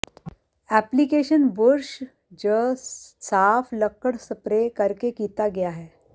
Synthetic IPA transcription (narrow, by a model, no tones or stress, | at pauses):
æplikeʃənbʊɾʃ | d͡ʑəsaːfʰləkːəɽsəpɾekəɾkekiːt̪aɡejaɦɛː